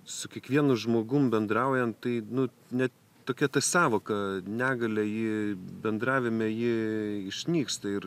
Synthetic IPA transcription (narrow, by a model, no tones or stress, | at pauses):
sʊkʲiɛkʋʲiɛnʊʒmoːɡʊmbʲɛnd̪ɾɐʊjɛnt̪ɐɪnʊ | nʲɛt̪ | t̪oːkʲɛt̪ɐsɑːʋoːkɐnʲæːɡɐlʲɛjɪbʲɛnd̪ɾɑːʋʲɪmʲɛjɪɪʃʲnʲiːkst̪ɐɪr